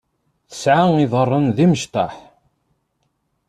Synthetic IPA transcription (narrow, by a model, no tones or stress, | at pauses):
θə̥sʕaŋiðˤərˤːənðiməʃt̪ɑħ